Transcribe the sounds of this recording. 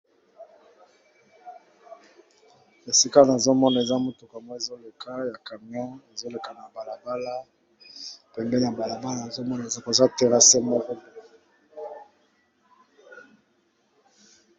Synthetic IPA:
e˨si˦ka˦lna˨zo˦mɔ˦na˨e˨za˦mo˦tu˨ka˨mwɔ˦e˨zo˦le˨ka˦ja˨ka˨mjɔ̃˦e˨zo˦le˨ka˨na˨ba˨la˨ba˦la˦ | pɛ˨mbɛ˦na˨ba˨la˨ba˦la˦na˨zo˦mɔ˦na˨e˨za˦kza˦˨tɛ˦ʁa˦sɛ˦mɔ˦kɔ˦mɔ˨

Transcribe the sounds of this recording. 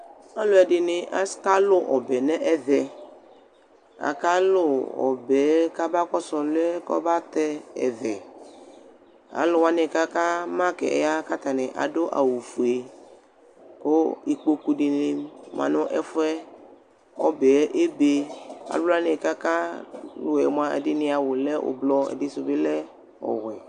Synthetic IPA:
a˦lʊ˦ɛ˨dɪ˨nɪ̃˨ʔa˦ska˦lʊ˦ʔɔ˨bɛ˨nɛ̃˦ʔɛ˨vɛ˨ | a̰˨ka˦lʊ˦˨ɔ̰˨bɛ˨˦ka˦ba˦kɔ˦sɔ˨lʊ˦ɛ˦kɔ̰˦ba˦t̪ɛ˦ɛ̰˨vɛ˨ | a̰˨lʊ˨wa˦nɪ̃˨ka˦ka˦mã˦kɛ̰˨ɛ̰˨ja˦ka˦t̪a˨nɪ̃˨ʔa̰˨do˦ʔa̰˨wu˨fu˨e˨ | ko˦i˨k͡po˦ku˦ɖi˨ne˦m˨ã̰˨nɔ̃˦ʔɛ˦fɛ˦ | ɔ˦bɛ˨˦ʔe˦be˦a̰˨lo˦la˦nẽ˨ka˦ka˦lo˨ɛ̰˨m˦ã˦ḛ˨dɪ˦nĩ˦a˨wo˨lɛ˦ʔo̰˨blɔ˦ḛ˨di˦so˨be˦lɛ˦ | ɔ̰˨wɛ˨

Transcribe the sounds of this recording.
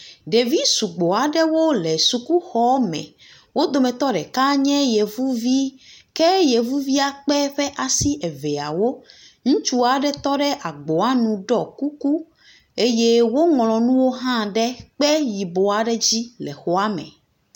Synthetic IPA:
ɖe˨vi˦su˨ɡ͡bo˨a˨ɖɛ˦wo˦lɛ˨su˨ku˦xɔ˦mɛ̰̃˨ | wo˦d̪o˨mɛ̃˨t̪ɔ˦ɖɛ˨ka˦ɲɛ̃˦je˨vu˦vi˦kɛ˦je˨vu˦vi˦a˨k͡pɛ˦ɸɛ˦ʔa˨si˦ʔɛ˨vɛ˨a̰˨wo˦ | ŋũ˦t͡ʃu˦a˨ɖɛ˦t̪ɔ˦ɖɛ˦ʔa˨ɡ͡bo˨a˦nũ˨ɖɔ˦˨ku˦ku˦ | e˦je˦wo˦ŋɔ̃˨lɔ̃˨nũ˦wo˦ɦã˦ɖɛ˦k͡pɛ˦ji˨bo˨a˨ɖɛ˦d͡ʑi˦lɛ˨xo˨a˦mɛ̰̃˨

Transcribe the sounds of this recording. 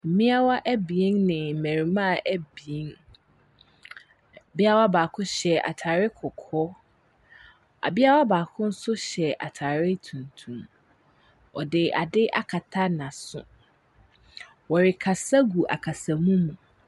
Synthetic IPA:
m̩˨mĩ˦a˦wa˦ʔæ˦bi˨i˦ŋnɪ̃˨mɛ̃˨ɾi˨mã˦˨ʔæ˦bi˨i˦ŋ˨ | bi˦a˦wa˦baː˨kʰʊ̃˦ɕɛ˨a̰˨tʰaː˨ɾɪ˦kʰɔ˨kʰɔ˦ | a̰˨bi˦a˦wa˦baː˨kʰʊ̃˦n̩˦sʊ˦ɕɛ˨ʔa̰˨tʰaː˨ɾɪ˦tʰũ˨ntʰũ˨m | ɔ̰˨dɪ˨a̰˨dɪ˦ʔa̰˨kʰa˨tʰa˦nã˨sʊ̰̃˨ | wɔ˨ɾɪ˨kʰa˨sa˦ɡu˨ʔa̰˨kʰa˨sa˨mũ˦mũ˨

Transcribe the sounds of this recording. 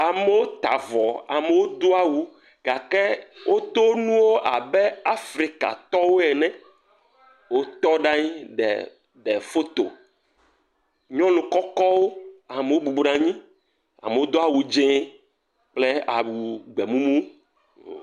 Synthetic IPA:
a˨me˨˦wo˦t̪a˨vɔ˨a̰˨me˨wo˦d̪o˦a˦wu˨ | ɡa˨ke˦wʔo˦t̪o˦nũ˦wo˦ʔa̰˨be˦a˦fɾi˨ka̰˨t̪ɔ˦wo˦ɛ˨nɛ̃˨ | wo˦t̪ɔ˦ɖa˦ɲĩ˦ɖɛ̰˨ | ɖɛ˨fo˦t̪o̰˨ | ɲɔ̃˦lũ˨kɔ˦kɔ˦wo˦a˨me˨wo˦bu˨bɾã˨ɲĩ˦ | a̰˨me˨wo˦d̪o˦a˨wu˨d͡ʒẽ˦ | k͡ple˦a̰˨wu˨ɡ͡be˨mũ˦mũ˦˨

